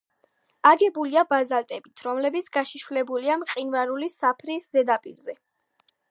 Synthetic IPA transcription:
aɡɛbuliabazalt̪ʼɛbit̪ʰɾɔmlɛbit̪sʰɡ̥aʃiʃvlɛbuliamqʼinvaɾulisapʰɾiszɛd̪apʼiɾzɛ

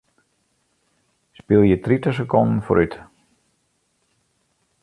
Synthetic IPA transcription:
spɪlˠjətritəs̬əkɔndn̩fo̰ɾʔyt

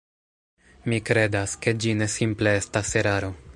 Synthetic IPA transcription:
mikɾe̞daske̞d͡ʒine̞simple̞e̞stase̞ɾaɾo̞

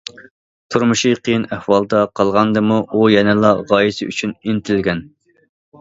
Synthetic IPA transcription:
t̪ʰuɾmuʃiqʰijinæhwɑlˠd̪ɑqʰɑlˠʁɑnd̪ɨmuʔujɛnɛlˠɑʁɑjisɪy̰t͡ʃʰynint̪ʰɪlɡʲɛn

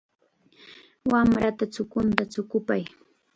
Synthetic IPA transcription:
wamɾat̪at͡sʊkʊnt̪at͡sʊkʊpaj

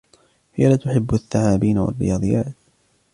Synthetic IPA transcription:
hɪjalaːt̪ʊħɪbːaθːaʕaːbiːnawa̰rːɪ̰jɑːd̪ˤɨjːaːt̪

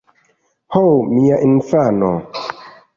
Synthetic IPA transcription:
howmiaʔinfano̰

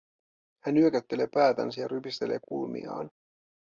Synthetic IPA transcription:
hænyøkæt̪ːe̞le̞ːpæːt̪æ̰nsæjɑɾypist̪e̞le̞̰ːkulmḭɑ̰ːn

